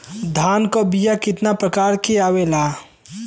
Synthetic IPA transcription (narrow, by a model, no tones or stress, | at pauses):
d̪ʱaːnkobijakɪt̪napɾəkaːɾkeaːwelaː